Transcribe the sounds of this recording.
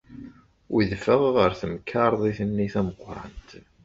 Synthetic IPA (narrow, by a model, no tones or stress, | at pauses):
wiðfəʁʁəɾθəmkʰːɑɾˤðˤiθənːiθæməqːɾɑ̰nt̪